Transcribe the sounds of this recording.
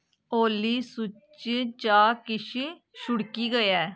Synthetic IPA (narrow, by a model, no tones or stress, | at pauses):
oːliːsʊt͡ʃt͡ʃaːkɪʃ | ʃʊɽkiːɡəjɛː